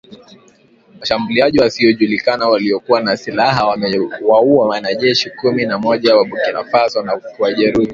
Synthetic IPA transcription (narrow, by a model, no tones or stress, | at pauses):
maʃambuliaʄiwasiɔʄulikanawaliɔkuwanasilaɦawauawanaʄɛʃikuminamɔʄawaɓukina̰fasanawaʄɛɾuhi